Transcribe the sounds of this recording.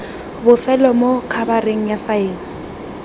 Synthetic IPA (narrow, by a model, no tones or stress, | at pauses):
bʊfɛlɔmokʰabareŋ̩jafaeːŋ̩